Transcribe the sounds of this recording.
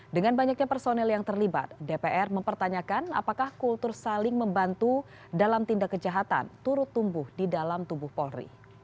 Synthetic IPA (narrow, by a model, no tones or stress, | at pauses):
dəŋanbaɲak̚ɲapərsonɛljaŋt̪ərliba̰t̪̚depeʔɛrməmpərt̪aɲakana̰pakahkult̪ʊrsalɪŋməmbant̪u | dalamt̪indakːəd͡ʒaɦat̪a̰nt̪uɾʊt̪ːumbʊhdidalamt̪ubʊhpɔlrḭ